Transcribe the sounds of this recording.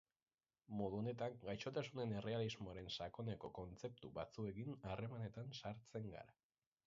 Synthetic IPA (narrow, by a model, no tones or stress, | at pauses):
mo̞ð̞uone̞t̪aŋɡajʃo̞t̪asune̞ne̞re̞alizmoaɾe̞nsako̞ne̞ko̞ko̞nt͡se̞p̚t̪uβat͡sue̞ɣinare̞mane̞t̪ansaɾt͡se̞ŋɡa̰ɾa